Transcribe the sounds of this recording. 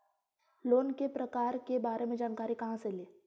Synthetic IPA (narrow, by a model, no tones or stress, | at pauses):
loːnkepɾɐkaːɾkebaːɾemẽd͡ʒaːnkaːɾikɐɦãseleː